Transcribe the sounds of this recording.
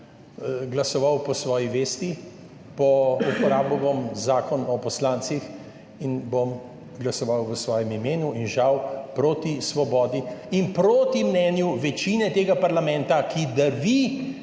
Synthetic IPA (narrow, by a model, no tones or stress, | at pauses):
ɡlɐsɔʋawpɔsʋɔːjiʋeːst̪i | pɔupɔɾaːbɔbomzaːkɔnɔpɔslaːnt̪six | inbom | ɡlasɔʋawʋəsʋɔːjɛmimeːnuinʒawpɾot̪isʋɔbɔːd̪iːnpɾoːt̪imnɛnjuʋɛt͡ʃinɛt̪eːɡapaɾlamɛ̃nt̪akʰid̪ɐɾʋi